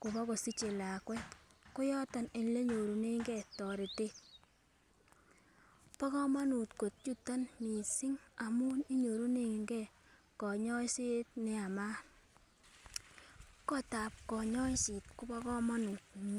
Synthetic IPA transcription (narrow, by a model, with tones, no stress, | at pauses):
ku˨bɔ˦ko˨si˦t͡ʃe˨la˨kwɛ˦kʊ˦jɔ˦ta˨ne˨n˦le˦ɲo˨ɾu˨ne˦ŋɡɛ˦˨tɔ˨ɾe˨te˦ | pɔ˦kɔ˦ma˦nu˨tko˨t̚t͡ʃu˦ta˦nmi˨si˦ŋa˨mu˦ni˦ɲo˨ɾu˦ne˦ŋɡɛ˦ | kɔ˨ɲɔ˦se˦tnɪ˦a˨ma˦ | kɔ˦ta˨p̚kɔ˨ɲɔ˦si˨tku˦pɔ˦kɔ˦ma˦nu˨t̚